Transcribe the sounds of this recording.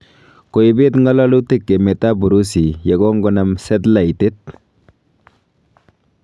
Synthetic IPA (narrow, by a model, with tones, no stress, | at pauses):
ko˨i˨be˦t̪ŋɡa˦la˦lu˦t̪e˦kːe˨me˨t̪a˦bu˨ɾu˦si˨ja˨ɡo˦ŋɡo˦na˦msɛ˦t̪la˨ite˦t̪̚